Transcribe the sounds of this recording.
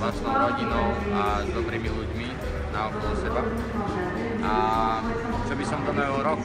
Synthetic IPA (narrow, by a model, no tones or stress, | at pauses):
lasnɔʊɾɔɟinɔʊ | azd̪ɔbɾiːmiluɟmi | naɔkɔzɔsɛba | ʔa | t͡ʃɔbisɔmd̪ɔmɛlɾɔk